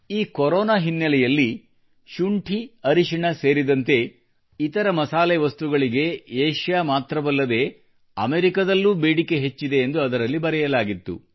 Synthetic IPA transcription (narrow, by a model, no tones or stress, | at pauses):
iːkɔɾɔːnaːɦinːɐlɛjɐlːi | ʃuɳʈʰiɐɾiʃiɳɐse̞ːɾid̪ɐnt̪e̞ | it̪ɐɾɐmɐsaːleʋɐst̪uɡɐɭiɡe̞eːʃjaːmaːt̪ɾɐʋɐlːɐd̪e̞ː | ɐ̰meɾikɐd̪ɐlːuːbeːɽike̞ɦe̞t͡ʃːid̪e̞ːnd̪uɐd̪ɐɾɐlːibɐɾɛjɐlaːɡit̪ːṵ